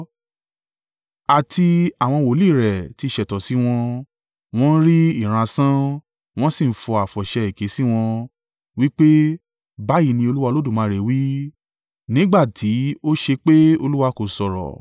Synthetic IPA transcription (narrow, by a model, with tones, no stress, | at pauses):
a˨ti˧a˨w̃ɔ̃˧wo˨li˦˨ɾɛ˨ti˧˨ʃɛ˨tɔ˨si˨˦w̃ɔ̃˧ | w̃ɔ̃˦n̩˦ɾi˦i˦˨ɾ̃ã˧sã˦ | w̃ɔ̃˦si˦˨n̩˨˦fɔ˧a˨fɔ˨ʃɛ˧i˨ke˨˦si˦w̃ɔ̃˧ | wi˦k͡pe˦ | ba˦ji˦˧˨nĩ˧o˧lu˦wa˧lo˦du˦˨mãː˨˧˦ɾe˨wi˦ | nĩ˦ɡ͡ba˦˨tʰi˨˦o˦ʃe˧k͡pe˦o˧lu˦wa˧ko˨sɔ˨ɾɔ̰˨